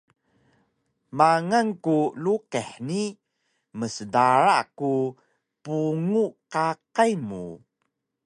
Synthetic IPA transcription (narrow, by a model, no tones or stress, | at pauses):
maŋankuluqɛħni | məsədaɾaku | puŋukaqajmṵ